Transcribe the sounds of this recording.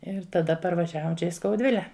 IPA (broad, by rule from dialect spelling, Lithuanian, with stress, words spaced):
ɪr tɐˈdɐ pɐrʋɐˈʒʲæːʋoːm ˈt͡ʃʲɛ ɪ skɐʊˈdʲʋʲɪlʲɛ